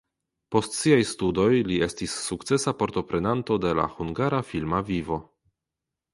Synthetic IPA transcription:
po̞stsiajstudo̞jlie̞stisːukt͡se̞sapoɾto̞pɾe̞nanto̞de̞la̰huŋɡaɾafilmavivo̞

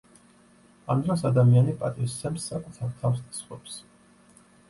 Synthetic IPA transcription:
amd̪ɾasad̪amianipʼat̪ʼist̪sɛmsːakʼut̪ʰaɾt̪ʰafst̪asχvɛ̰ps

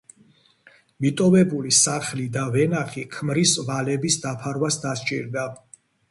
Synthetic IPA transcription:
mit̪ʼɔvɛbulisaχlid̪avɛnaχikʰmɾisvalɛbisd̪apʰaɾwasd̪ast͡ʃʼḭɾd̪a

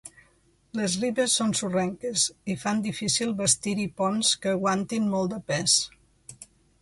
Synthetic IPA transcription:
ləzriβəsːonsurɛŋkəzifand̪ifisilˠβəst̪iɾipɔnskəːɣwant̪inmɔlˠd̪əpɛs

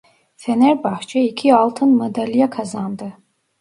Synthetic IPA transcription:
fɛnɛɾbaχt͡ʃʰʼaikʰialˠt̪ʰɨnmad̪alijakʰazaːmd̪ɨ

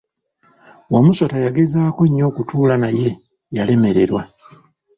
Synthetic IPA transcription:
wamuso̞tajaɡe̞zaːko̞ɲːo̞ːkutʰuːlanaje̞ | jale̞me̞ɾe̞ɾwa

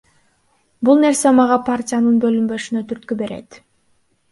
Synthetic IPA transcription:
bulˠne̞ɾse̞mɑʁɑpʰartʲɪjanɯnbø̞lymbø̞ʃynø̞t̪ʰyɾt̪̚kybe̞ɾḛt̪

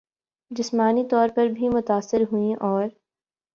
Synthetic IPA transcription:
d͡ʒɪsmaːnit̪ɔːɾpɐɾbʱimʊt̪aːsːɪɾɦuĩʔɔːɾ

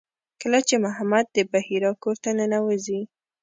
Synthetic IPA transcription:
kəlat͡ʃemʊɦamad̪̚ːəbahiɾɑkoɾt̪anənawəzi

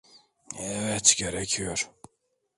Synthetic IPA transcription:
ɛvɛt̪ɟeɾɛcʰijoɾ

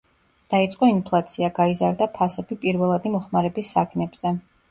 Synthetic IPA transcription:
d̪̥ait̪sʼqʼɔinpʰlˠat̪sʰiaɡaizaɾd̪apʰasɛb̥ipʼiɾvɛlˠad̪imɔχmaɾɛbisːakʰnɛbz̥ɛ

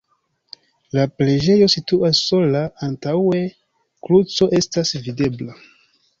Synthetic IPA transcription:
laple̞d͡ʒe̞jo̞situʔasːo̞laːntawe̞ | klut͡so̞ʔe̞stasvide̞bla

